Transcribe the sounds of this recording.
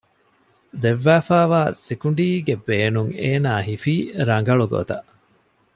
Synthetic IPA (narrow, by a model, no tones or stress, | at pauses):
d̪eʋːæːfæːʋaːsikuɳɖiːɡebeːnuŋeːnaːɦifiːɾɐŋ̆ɡɐɭuɡo̰t̪ɐʔ